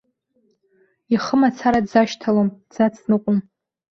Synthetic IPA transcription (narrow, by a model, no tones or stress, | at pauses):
iχəmat͡sʰaɾadzaʃtʰalomd͡zat͡sʰnɨqʷʼʊm